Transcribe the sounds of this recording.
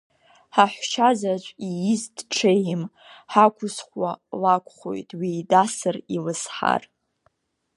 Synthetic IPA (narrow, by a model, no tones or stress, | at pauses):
ħaħʷʃazat͡ʃʷʼijizdʈ͡ʂʰejm | ħakʷʰʊsχʷwalakʷʰʼχo̞̰jtʼwiːdasɨrilɨsħa̰r